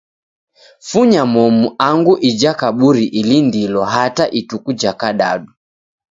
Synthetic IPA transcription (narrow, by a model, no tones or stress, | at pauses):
fuɲamɔmuaŋɡuʔid͡ʒakaɓuɾiʔilindilɔɦataʔitukud͡ʒakaɗa̰ɗu